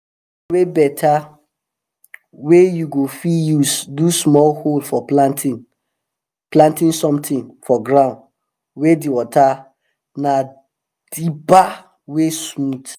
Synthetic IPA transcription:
webɛtʰa | wejuɡofijusdusmɔlholfɔplãntʰĩn | plãntĩnsɔ̃mtʰĩnfɔɡɹãʊ̃nd | wediwɔta | na | d̥iba | wesmud

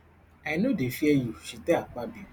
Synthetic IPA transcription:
aɪnodefiejuʃiteak͡pabi

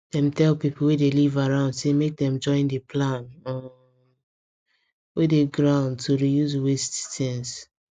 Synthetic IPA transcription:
d̥ɛ̃mtɛlpipul̩wedelivaɹãʊ̃ndsemek̚dɛ̃md͡ʒɔ̃ɪ̃ndepʰlãnɔ | wedeɡɹãʊ̃ndtʰoɹijuzwesttʰɛ̃ns

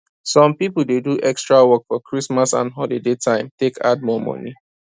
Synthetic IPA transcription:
sɔ̃mpipudeduʔɛkstɹawɔkfɔkʰɹismasã̰nɦɔlidetʰãɪ̃mtekʰa̰d̚mɔmɔ̰ni

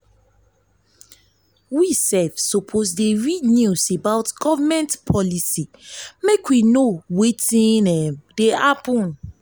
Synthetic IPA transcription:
wisɛlfsopʰosdeɹidnjusebaʊtɡɔvamɛ̃ntpʰɔlisimekwinowetĩnɛmdeapɔ̃n

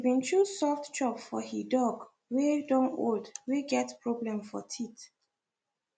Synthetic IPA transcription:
bĩntʰusɔftt͡ʃɹɔpfɔhidɔɡ | wedɔ̃no̰ldweɡɛtpɹɔblɛ̃mfɔ̰tʰit

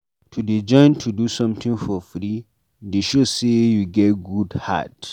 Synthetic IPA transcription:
tʰuded͡ʒɔ̃ɪ̃ntʰudusɔ̃mtĩŋfɔfɾi | deʃosejuɡɛt̚ɡudha̰t

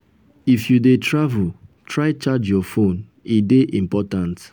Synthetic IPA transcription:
ifjudetʰɹavultʰɹaɪt͡ʃad͡ʒjɔfõn | ideʔĩmpɔtãnt

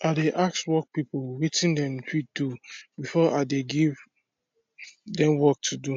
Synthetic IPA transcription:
adeʔakswɔk̚pipolwitĩndɛ̃mt͡ʃʰɹit̚dubifɔʔadeɡiv | dɛ̃mwɔk̚tʰudu

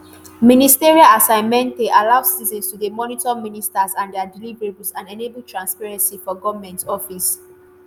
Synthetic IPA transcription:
ministiɹialasãɪ̃nmɛ̃nteʔalaʊz̥ːizɔ̃nstudemɔnitɔministazãndɛadilivɹebulsãnɛnebutʰɹãnspaɹɛ̃nsifɔɡɔvamɛ̃ntɔfis

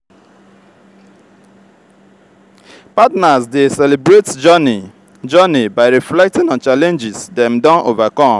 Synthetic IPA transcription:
patnasdesɛlibɹet | d͡ʒɔnibaɪɹiflɛk̚tĩnɔ̃nt͡ʃalɛ̃nd͡ʒisdɛ̃mdɔ̃nʔovakɔ̃m

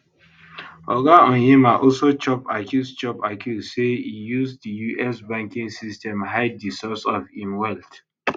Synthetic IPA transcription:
ɔɡaɔ̃nimaʔɔlsot͡ʃɔpakjust͡ʃɔpakʰjuzseijuzdijuʔɛsbãŋkĩŋsistɛ̃mɦaɪdisɔsɔfĩmwɛlt

